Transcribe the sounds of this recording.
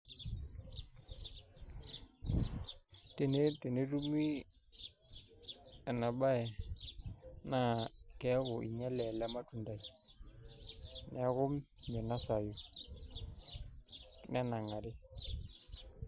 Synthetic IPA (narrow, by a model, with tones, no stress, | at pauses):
te˨ne˦te˨ne˦ɾu˦mi˦ | a˨na˨ɓa˦ɛ˨ | na˦˨kɛ˨˦ɣʊ˨ʔḭ˨ɲa˦lɛ˨la˦ma˦tu˨nda˨i˨ | n˦a˦ɣʊ˦mɲɛ˨na˦sa˨ju˨ | n˦a˦na˨ŋa˨ɾɪ˦